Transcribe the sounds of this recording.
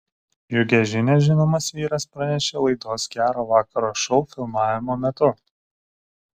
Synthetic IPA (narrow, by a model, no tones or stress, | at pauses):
jʊɡʲɛʒʲɪnʲeʒʲɪnoːmɐsʋʲiːɾɐspɾɐnʲɛʃʲelˠɐɪd̪oːsɡʲæːɾoːʋɑːkɐɾoːʃɔʊfʲɪlˠmɑːʋʲɪmoːmʲɛt̪ʊ